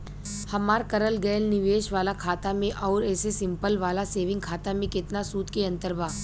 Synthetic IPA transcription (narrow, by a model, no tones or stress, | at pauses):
hɐmaːɾkɐɾəlɡɐjlnɪʋeːʃʋaːlakʰaːt̪amẽʔɔːɾɛːsesɪ̃mpəlʋaːlaseːʋɪ̃ŋɡ̚kʰaːt̪amẽkɪt̪nasuːt̪keɐ̃nt̪əɾbaː